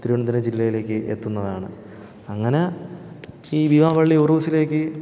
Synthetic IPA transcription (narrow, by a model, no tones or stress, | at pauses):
t̪iɾiʋɐɳɐt̪̬ːined͡ʑilːɐjile̞ːkʲːɨʔet̪ːunːɐðaːɳɨ̰ | ɐŋːɐne̞ | iːbiʋaːʋɐɭːioruːsile̞ːkːɨ